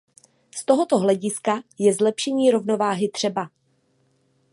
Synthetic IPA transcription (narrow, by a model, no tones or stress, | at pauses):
st̪o̞ɦo̞t̪o̞ɦlɛɟɪskajɛzlɛpʃɛɲiːɾo̞vno̞vaːɦɪt̪r̥ɛba